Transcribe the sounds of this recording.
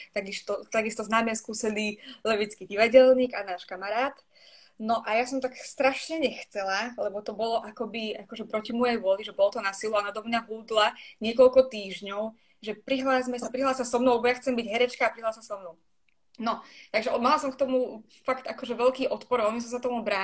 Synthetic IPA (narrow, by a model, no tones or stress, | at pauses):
t̪aɡist̪ɔt̪aɡist̪ɔznaːmɛskuːsɛliːlɛʋit͡skiɟiʋaɟɛlɲiːɡanaːʃkamaɾaːt̪ | nɔʔajasɔmt̪akst̪ɾaʃɲɛɲɛxt͡sɛlalɛbɔt̪ɔbɔlɔʔakɔbiakɔʒɛpɾɔcimɔjɛjʋʊɔliʒɛbɔlɔt̪ɔnasiluanad̪ɔmɲaɦuːd̪laɲɪɛkɔlkɔt̪iːʒɲɔʊ | ʒɛpɾiɦlaːsmɛsapɾiɦlaːsasɔmnɔʊlbɔjaxt͡sɛmbiɟɦɛɾɛt͡ʃkaːpɾiɦlaːsasɔmnɔʊ | nɔt̪aɡʒɛmalasɔmkt̪ɔmu | fakt̪akɔʒɛʋɛlkiːʔɔt̪pɔɾɔlmis̬ɔms̬akt̪ɔmubɾaː